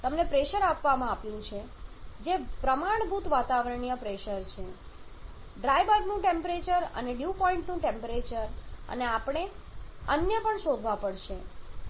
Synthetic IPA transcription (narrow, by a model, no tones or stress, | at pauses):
t̪əmnepɾeʃəɾapʋamãapjũt͡ʃʰe | d͡ʒepɾəmaɳ̃bʱut̪ʋat̪aʋəɾəɳijəpɾeʃəɾt͡ʃʰe | ɖɾajʋəɡnũʈempɾet͡ʃəɾə̰neɖjupɔiɳʈnũʈempəɾet͡ʃəɾə̰neapɳ̃eənjəpəɳʃod̪ʱʋapəɽʃe